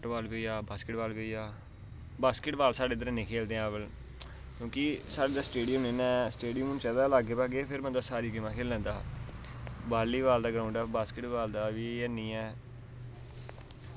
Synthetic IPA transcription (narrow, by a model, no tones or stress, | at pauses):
ʈʋaːlboːjaːbaːskɪʈʋaːlbojaː | baːskɪʈʋaːlsaːɖeːd̪̬əɾãːnẽːkʰeːld̪eːɛ̃ːbəl | kjõːkisaːɖeːd̪aːsʈeːɖijəmnẽːnɛːsʈeːɖijəmʊnt͡ʃɛːd̪aːlaːɡeːpaːɡeːpʰɪɾmə̃naːsaːɾiːɡɪmãːkʰeːlə̃ːnd̪aː | baːlːiːʋaːld̪aːɡəɾaːʊ̃ɳɖɛːbaːskɪʈʋaːld̪aːʋiːɛːnĩːɛː